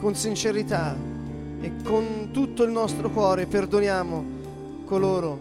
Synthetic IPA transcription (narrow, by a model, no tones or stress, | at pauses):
konsint͡ʃeɾit̪a | ekːont̪ut̪ːoilnɔst̪ɾokwɔːɾeperd̪onjaːmo | koloːɾo